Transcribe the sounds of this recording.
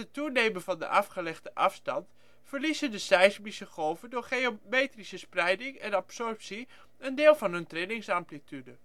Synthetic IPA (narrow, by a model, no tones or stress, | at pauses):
ətunejmənvɑndə̰ʔɑfχəlɛχdəʔɑfstɑnt | fəɹlisəndəsɛjsmisəχowvəndʊːɹχeomejtrisəsprɛjdɪŋɛnɑpsɔrpsi | əndɪːlˠvɑnɦɵntrɪdɪŋsamplitydə